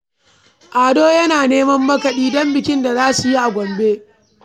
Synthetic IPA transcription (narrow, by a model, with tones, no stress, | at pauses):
ʔaː˨doː˦jɐ˦naː˨neː˦mɐ˦mːɐ˦kɐ˨ɗiː˦dɔ˦mbɪ˨kʲɪ˦nda˨zaː˦su˨ji˦ʔa˨ɡʷɔ˨mbeː˦